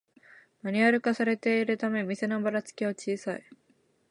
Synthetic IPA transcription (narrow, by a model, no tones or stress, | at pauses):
maɲ̟iaɾɯ̟kasaɾe̞t̪e̞iɾɯ̟t̪ame̞mʲise̞nobaɾat͡sɨ̥kʲiot͡ɕiːsai